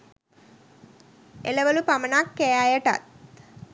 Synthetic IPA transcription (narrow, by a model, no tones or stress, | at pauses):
ḛləʋəlupamənakːejaːjəʈa̰t̪̚